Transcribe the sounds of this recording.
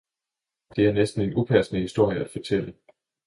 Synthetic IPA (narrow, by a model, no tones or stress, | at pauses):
d̥e̝æɐnesd̥n̩e̝nupʰæɐsnəhisd̥o̝ɐ̰jəæd̥fɒ̽t͡sʰel̰ə